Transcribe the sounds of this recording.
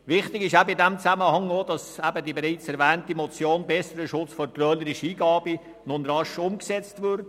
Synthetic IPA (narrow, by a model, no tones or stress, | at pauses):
vɪχtɪɡɪʃæbəɪdɛmt͡sæməhɑŋod̥ɑsæbədibeɾiɪt͡sɛɾvɛːntimɔt͡sjoːnbɛsəɾəʃʊt͡sfɔɾtrœːləɾɪʃiːɡɑːbi | nʊnrɑʃʊmksɛt͡stvʏɾt